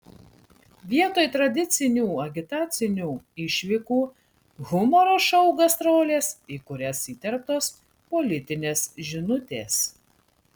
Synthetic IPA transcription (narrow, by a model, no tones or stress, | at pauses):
ʋʲiɛt̪oːjt̪ɾɐd̪ʲɪt̪sʲɪnʲuːɐɡʲɪt̪ɑːt̪sʲɪnʲuːɪʃʲʋʲɪkuː | ɣʊmɔɾoːʃɐʊɡɐsɾoːlʲeːsiːkʊɾʲɛsiːt̪ʲɛɾp̚t̪oːs | pɔlʲɪt̪ʲɪnʲeːsʒʲɪnʊt̪ʲeːs